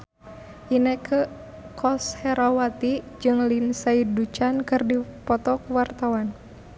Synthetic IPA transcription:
ʔinəkʰə | kʰɔshɛɾawat̪i | d͡ʒɨŋlinsaidut͡ʃankɨrdipɔt̪ɔkwart̪awan

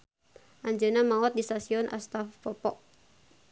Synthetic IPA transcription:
ʔaɲd͡ʒənamaɔt̪̚dist̪asiɔnʔa̰st̪afpɔpɔ̰ʔ

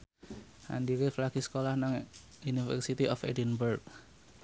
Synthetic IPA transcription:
ha̰ndiɾɪflaɡ̥isə̥kolahnaŋ | unifɛ̰rsit̪iʔɔfḛdinbərɡ̚

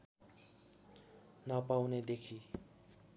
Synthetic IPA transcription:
nʌpawned̪ekʰi

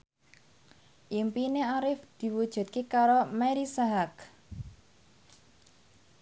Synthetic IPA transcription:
ʔimpineaɾɪfd̪̥i̤wud̥ʒ̥ṳt̪̚kekaɾomɛɾisaɦak

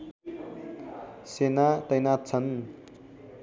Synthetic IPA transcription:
senat̪ʌjnat͡sʰʌn

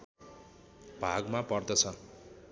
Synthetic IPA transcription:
b̥ʱaɡmapʌrd̪ʌt͡sʰʌ

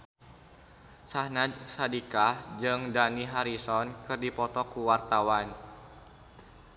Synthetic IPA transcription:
sahnadsadikad͡ʒɨŋdaniɦaɾisɔnkɨrdipɔt̪ɔkuwart̪awan

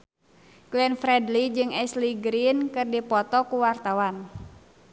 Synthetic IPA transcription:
klɛnfɾɛdlid͡ʒɨŋɛsliɡɾinkɨrdipɔt̪ɔkuwart̪awan

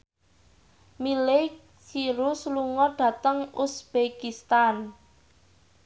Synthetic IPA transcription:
milɪk | siɾʊsluŋɔɖ̥ä̤t̪əŋusb̥ekist̪an

